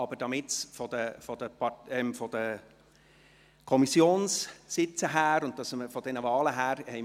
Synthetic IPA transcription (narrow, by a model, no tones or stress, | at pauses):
ɑbəɾd̥ɑmɪtfɔd̪əfɔd̥̪əpɑɛmfɔd̥ə | kʰɔmisjoːnssɪt͡səɦæːɾʊn̚tɑsməfɔd̥ɛnəvɑːləɦæːɾhɛɪ